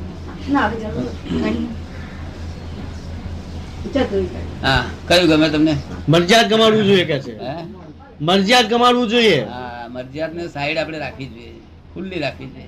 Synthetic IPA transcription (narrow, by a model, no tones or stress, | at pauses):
naːʋed͡ʒəɾut͡ʃʰ | t͡ʃaɾt̪əika̰ɦãkəjũɡəmet̪əmneməɾd͡ʒjad̪̚kəmaɽʋũd͡ʒoijekjat͡ʃʰee | məɾd͡ʒijad̪̚kəmaɽʋũd͡ʒoieɦãməɾd͡ʒijad̪nesaiɽapɳ̃eɾakʰid͡ʒoe | kʰulːiɾakʰid͡ʒoe